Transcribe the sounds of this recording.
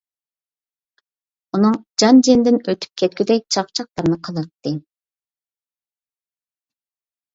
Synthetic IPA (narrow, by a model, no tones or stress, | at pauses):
unɨŋd͡ʒɑnd͡ʒend̪ɪnøt̪ʰy̥p̚kʲʰɛt̪kʲyd̪ɛk̚ʲt͡ʃʰɑpt͡ʃʰɑq̚lˠɑɾɨnɨqʰɑlˠɑt̪ːɨ